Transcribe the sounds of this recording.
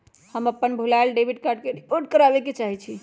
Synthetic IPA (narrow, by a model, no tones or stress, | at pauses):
həməpːənbʱulalɖebʱiɖkaɾɖ̚keɾipoɾʈ̚kəɾabeket͡ʃaɦit͡ʃʰi